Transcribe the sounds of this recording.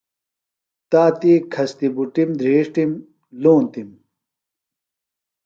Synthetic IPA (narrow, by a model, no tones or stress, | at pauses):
t̪aːt̪iːkʰɐst̪ibuʈimd̪ʱɾeːʂʈim | luːnt̪im